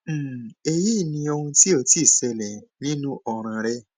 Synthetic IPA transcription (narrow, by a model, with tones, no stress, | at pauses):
e˧ji˦˨nĩ˧o˧hũ˧ti˦o˧˨ti˦˨sɛ˧lɛ˨nĩ˦nũ˦ʔɔ˧ɾ̃ã˨˧ɾɛ˦